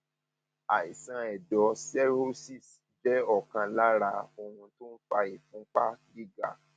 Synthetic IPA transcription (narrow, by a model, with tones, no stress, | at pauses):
a˨i˨sã˧ɛ˨dɔ˧sɛ˦ɾo˦si˦˨s | d͡ʒɛ˦ɔ˦˨kã˧la˦ɾa˧o˧hũ˧to˦n̩˦fa˧i˨fũ˨˦k͡pa˦ɡi˦ɡa̰˦˨